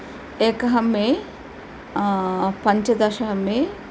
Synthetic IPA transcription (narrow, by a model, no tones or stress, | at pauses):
eːkɐɦɐmːeː | pɐɲt͡ʃɐd̪ɐʃɐɦɐmːeː